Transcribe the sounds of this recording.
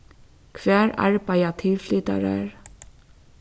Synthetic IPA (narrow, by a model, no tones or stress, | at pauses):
kʰvɛːɹa̰ɹpajat̪ʰɪlflit̪a̰ɹɛ̰ɹ